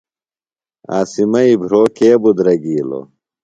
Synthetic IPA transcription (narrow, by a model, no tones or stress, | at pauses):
a̰ːsimɐibʱɾoːkeːbud̪ɾɐɡiːlo̰